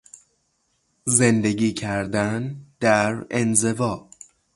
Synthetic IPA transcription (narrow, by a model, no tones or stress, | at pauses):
ze̞nd̪e̞ɟiːcʰæɾd̪ænd̪̥æɾenze̞vɒː